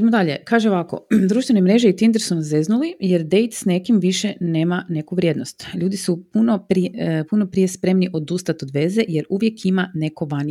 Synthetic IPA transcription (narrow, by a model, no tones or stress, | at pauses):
d̪imod̪aʎe̞̰kaːʒeo̞ʋako̞̰d̪ɾuːʃt̪ʋenemɾe̞ʒeit̪ind̪ɾsonze̞znulije̞ɾd̪e̞jt̪sne̞kimʋiʃene̞ːmane̞kuʋɾʲjeːd̪nost̪ʎuːd̪isupunopɾipunopɾije̞spɾe̞mniʔo̞d̪ust̪at̪od̪ʋe̞zeje̞ɾuʋje̞kʰimane̞koʋan